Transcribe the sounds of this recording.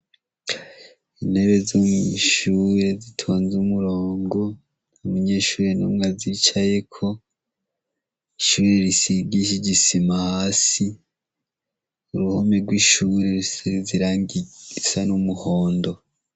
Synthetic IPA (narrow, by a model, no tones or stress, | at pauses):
inhe̞βe̞zumiʃuɾe̞zitʰo̞ːnzumuɾoːŋɡo | umuɲe̞ʃuːɾenumŋazit͡ʃaje̞kʰo̞ | iʃuːɾeɾisiɡiʃiɟisimahaːsi | uɾuhomeɾɡwiʃuɾesziɾaːŋiisanumuhoːndo̞